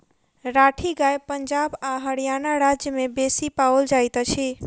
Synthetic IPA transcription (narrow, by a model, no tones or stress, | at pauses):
ɾaʈʰiɡajpənd͡ʒabaɦəɽijanaɾad͡ʒjəmebesipawld͡ʒajt̪t͡ʃʰi